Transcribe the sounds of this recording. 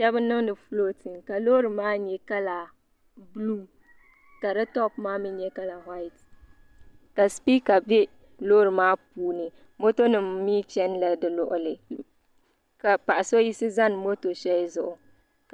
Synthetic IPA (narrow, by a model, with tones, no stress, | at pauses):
ʃɛ˦bɨ˦nɨ˦ŋnɨ˨flo˦tʰɨ˨nka˨lo˦ɾɨ˨maː˦ɲɛ˦ka˦la˨ | bluː˦ | ka˨ɾɨ˦tɔ˦pmaː˦mɨ˦ɲɛ˦ka˦la˨ɦwa˦ɪ˨t | ka˨spi˦ka˨bɛ˦ | loː˦ɾɨ˨maː˦puː˦nɨ˨ | mo˦to˦nɨ˨mmiː˦t͡ʃɛ˦nla˨dɨ˨lʊ˦ʔʊ˨lɨ˨ | ka˨pa˨ʔa˨so˦ji˦sɨ˦za˦n˨mo˦to˨ʃɛ˦lɪ˦zʊ˨ʔʊ˨